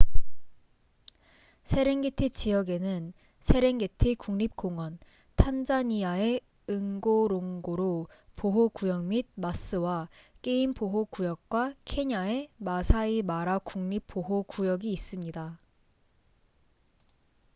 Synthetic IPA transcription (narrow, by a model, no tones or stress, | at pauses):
sʰe̞ɾe̞ŋɡetʰet͡ɕijʌɡe̞nɯn | sʰe̞ɾe̞ŋɡe̞tʰekuŋɲip̚k͈oŋwʌn | tʰand͡ʑaɲiae̞ | ɯŋɡoɾoŋɡoɾopoɦokujʌŋmid̚mas͈ɯwak͈e̞impoɦokujʌk̚k͈wakʰe̞ɲae̞masʰaimaɾakuŋɲipp͈ʰːoɦokujʌɡiːs͈ɯmɲida